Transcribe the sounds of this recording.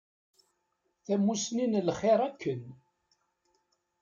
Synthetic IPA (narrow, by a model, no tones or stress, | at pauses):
θæmːusninlχeɾˤækːən